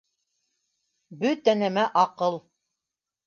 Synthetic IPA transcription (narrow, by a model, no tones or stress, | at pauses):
bɵt̪ænæmæʔɑqɤlˠ